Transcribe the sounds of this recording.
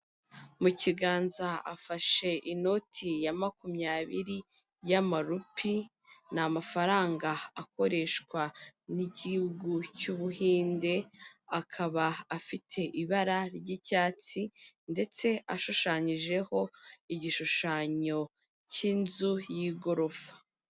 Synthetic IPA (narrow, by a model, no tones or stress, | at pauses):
muciɡaːnzaafaʃe̞ʔino̞tʰijamakumɲaːβiɾi | jamaɾupʰi | namafaɾaːŋɡaːko̞ɾe̞ʃkwanicihuɡucuːβuhiːnde̞akʰaβaːfitʰe̞ʔiβaɾaɾɟicaːt͡sinde̞t͡se̞aʃuʃaːɲiʒe̞ho̞iɟiʃuʃaːɲo̞ | ciːnzujiːɡo̞ɾo̞fḁ